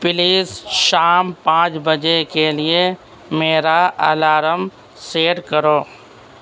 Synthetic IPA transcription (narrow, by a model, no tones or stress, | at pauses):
pɪliːsʃaːmpãːt͡ʃbɐd͡ʒekelɪe | meːɾaɐ̰laːɾəm | seːɾkɐɾoː